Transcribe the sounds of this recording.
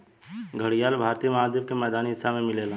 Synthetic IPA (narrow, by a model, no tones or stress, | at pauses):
ɡʱəɽijaːlbʱaːɾt̪ijəmaːd̪jəbkemɛːd̪aːniɦɪsːamẽmɪlela